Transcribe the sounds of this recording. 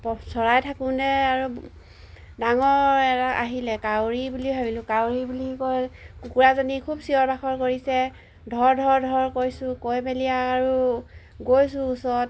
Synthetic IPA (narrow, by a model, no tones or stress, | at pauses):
pɔsɔɹajtʰakũnɛaɹu | daŋɔɹɛtaʔa̰ɦilɛkawɹibuliɦɔbilʊ̃kawɹibulikɔjkukuɹazɔnikʰubsiɔɹbaxɔɹkoɹisɛ | dʱɔɹdʱɔɹdʱɔɹkojsʊ̃kojbelijaːɹu | ɡojsũːsɔt